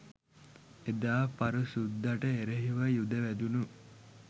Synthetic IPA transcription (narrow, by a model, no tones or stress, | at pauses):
ed̪aːpaɾusud̪ːaʈəeɾeɦiʋajud̪əʋæd̪unu